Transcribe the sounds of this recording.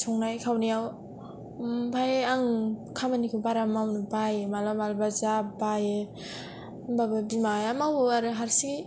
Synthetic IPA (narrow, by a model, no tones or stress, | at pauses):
sʰɔŋnajkʰawnijaw | pʰajaŋkʰamanikʰɯbaɾamawnɯbajɯmalɔmalbazabajɯ | babɯbimajamawaɾɯɦaɾsi